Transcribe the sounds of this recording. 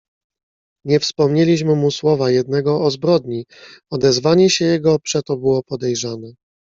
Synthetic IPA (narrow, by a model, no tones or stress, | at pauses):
ɲɛfspɔmɲelʲiɕmɘmuswɔvajɛd̪̚nɛɡɔɔzbɾɔd̪ɲiɔd̪ɛzvaɲɛɕɛjɛɡɔpʂɛt̪ɔbɘwɔpɔd̪ɛjʐanɛ